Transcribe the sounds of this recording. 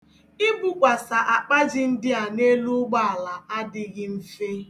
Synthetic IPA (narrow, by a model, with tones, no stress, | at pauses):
ɪ˦bu˦kʷa˨sa˨ʔa˨k͡pa˦d͡ʒɪ˨n̩˦dɪ˦a˨ne˦lu˦ɡ͡ba˦a˨la˨a˦dɪ˦ɣɪ˦m̩˦fe˦